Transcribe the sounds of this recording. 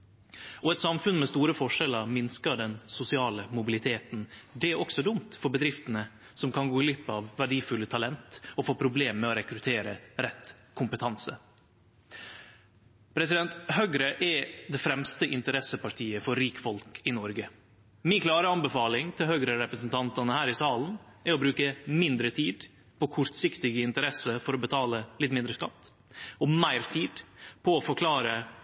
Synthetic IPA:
ɔɛt̪sɑmfʉnmɛst̪uːɾəfɔʂɛləɾmɪnskəɖɛnsʊsɪɑːləmʊbɪlɪt̪ʰeːt̪n̩d̪ɛæɾɔksɔd̪ʊmt̪fɔɾbəd̪ɾɪft̪ənə | sɔmkʰɑnɡoːɪlʏpːəɑʋːæɖiːfʉlːət̪ʰɑlɛnt̪ɔfoːpʰɾʊbleːmːɛɔɾɛkɾʉt̪ʰeːɾə̰ɾɛt̪kʰʊmpət̪ʰɑnsə | pʰɾɛsɪd̪ɛnt̪hœʏɡɾəʔɛd̪ɛfɾɛmst̪əʔɪnt̪əɾɛsəpɑʈʰiːəfɔɾɾiːkfɔlkʰɪnɔɾɡə | miːnkʰlɑːɾəɑnbəfɑːlɪŋt̪ʰɪlhœːɡɾəɾɛpɾəsnt̪ʰɑnt̪ɑnəhæːɾɪsɑːlnɛɔbɾʉːkəmɪnd̪ɾət̪ʰiːd̪ | pʰɔkʰʊɾt̪sɪkt̪ɪɡəɪnt̪əɾɛsəfɔɾɔbət̪ʰɑːləlɪt̪ːmɪnd̪ɾəskɑt̪ː | ɔmæɪɾt̪ʰiːd̪̥pʰɔːfɔɾkʰlɑːɾə

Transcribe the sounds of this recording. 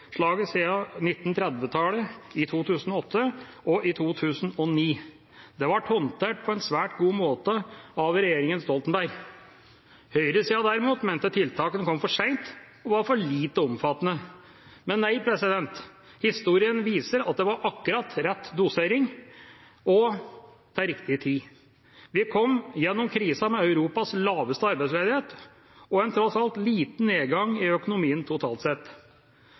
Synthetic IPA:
ʂɭɑːɡəsiːənɪt̪ːnt̪ʰɾɛd̪ʋət̪ʰɑːləɪt̪ʰuːt̪ʰʉːsn̩ɔɔt̪ʰːə | ɔʔɪt̪ʰuːt̪ʰʉːsən̩ɔniː | d̪ɛʋɑʈʰhɔnt̪ʰeːʈ̚pʰɔɛnsʋæːʈɡuːmoːt̪əɑʋɾɛjeːɾɪŋənst̪ɔlt̪nbæɾɾ | hœʏɾəsiːɑd̪æɾɪmuːt̪mɛnt̪ət̪ʰɪlt̪ʰɑːkənkʰɔmːfɔʂæɪnt̪ | ɔʋɑɾfɔɭiːt̪əɔmfɑt̪ːənə | mɛnːæɪpʰɾɛsɪd̪ɛnt̪ | hɪst̪uːɾɪənʋiːsəɾɑt̪̚d̪ɛʋɑɾʔɑkːʉɾɑt̪ɾɛt̪ːd̪ʊseːɾɪŋ | ɔ | t̪ʰɑːɾɪkt̪ɪət̪ʰiː | ʋɪkʰɔmːjɛnːɔmkʰɾiːsɑmɛɑʉɾuːpɑslɑːʋəst̪əɑɾbæɪsleːd̪ɪheːt̪ | ɔɛnt̪ʰɾɔsɑlt̪liːt̪n̩eːɡɑŋɪœkʊnʊmiːənt̪ʰʊt̪ʰɑ̰ːlt̪sɛt̪ː

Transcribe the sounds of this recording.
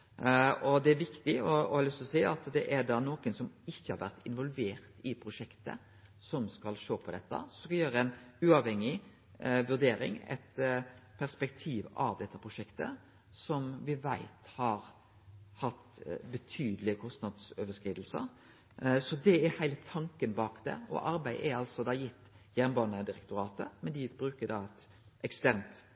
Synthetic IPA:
ɔd̪ɛæʋɪkt̪ɪɔɔhɑɾlʏst̪lɔsæɪɑt̪d̪ɛʔæɖ̪ɑːnoːkənsɔmɪçːəhɑɾʋæ̰ɾt̪ʰɪnʋɔlʋeːɾt̪ɪpʰɾʊʂɛkt̪ə̰ | sɔmskɑlʃoːpʰɔd̪ɛt̪ːə̰sɔɔskɑjøːɾəɛnʉːɑʋhɛŋːɪ | ʋʉɖ̪eːɾɪ̰ŋɛ̰t̪pʰæʁspɛkt̪ʰiːʋɑ̰ʋd̪ɛt̪ːəpʰɾʊʂɛkt̪ə̰ | sɔmʋɪʋæɪt̪hɑɾ | hɑt̪bət̪ʰyːd̪əlɪkʰɔst̪nɑd̪søːʋəskɾiːd̪l̩sə̰ | sɔd̪ɛæɾhæɪlət̪ʰɑŋkənbɑːkd̪ɛ̰ɔ̰ʔɑɾbæɪʔɛɾɑlsɔd̪ɑːjɪt̪ː | jænnbɑːnəd̪ɪɾɛkt̪ʊɾɑːt̪əmɛnd̪ɪbɾʉːkəd̪ɑt̪ | ʔɛkst̪æɾnt̪

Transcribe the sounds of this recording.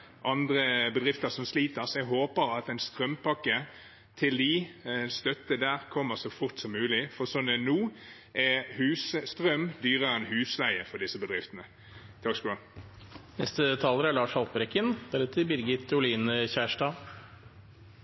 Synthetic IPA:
ʔɑnd̪ʁəbəd̪ʁɪft̪əsɔmsliːt̪əsɛɡɦoːpəɾɑt̪ɛɪnst̪ʁœmpʰɑkːə | t̪ʰɪld̪ɪnst̪œt̪ːəd̪æːʁkʰɔmːəsɔfʊʁt̪sɔmːʉːlɪfɔʁsɔnənuː | ʔɛhʉːsəst̪ʁœmd̪yːʁəʁɛnɦʉːslæɪəfɔʁd̪ɪsːəbəd̪ʁɪft̪ənə | t̪ʰɑkskuː | nɛst̪ət̪ʰɑːləɾəæɭɑːʂɑlpəɾɛkːənb̥æːɾət̪ʰɪbɪɾɡɪt̪ːʊliːnəçæːʂʈɑː

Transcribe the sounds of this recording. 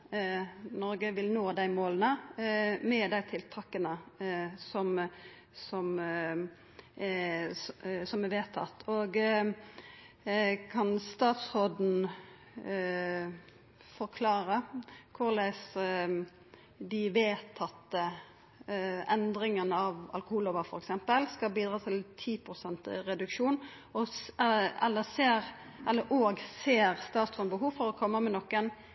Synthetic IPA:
nɔɾɡəʋɪlnoːd̪æɪmoːlənə | mɛːd̪æɪt̪ʰɪlt̪ʰɑkːənə | sɔm | sɔm | sɔmɛʋeːt̪ʰɑ̰t̪ːʰoːɡ | kʰɑnst̪ɑːt̪sʁoːd̪n̩ | fɔʁkʰlɑːɾəkʰʊɾlæɪs | d̪ɪʋeːt̪ʰɑt̪ːə | ɛnd̪ɾɪŋənəɑʋɑ̰lkʊhuːloːʋəɾfɔɾɛksɛmpəlskɑlbiːd̪ʁɑːt̪ʰɪlt̪ʰiːpʰʁʊsɛnt̪ɾɛd̪ʉkʃuːn | ɔ | ɛ̰lːəseːɾ | ʔɛlːəɾʔoːɡseːɾst̪ɑːt̪sʁoːd̪bəɦuːʋfɔɾɔkʰɔmːəmɛnɔkːən

